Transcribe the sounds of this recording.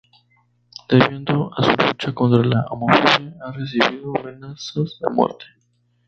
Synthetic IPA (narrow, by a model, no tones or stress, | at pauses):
d̪̥eβje̞nd̪oasulut͡ʃako̞nt̪ɾalaamofonjaare̞s̬iβiðoame̞nasazðe̞̰mwḛɾt̪ʰe̥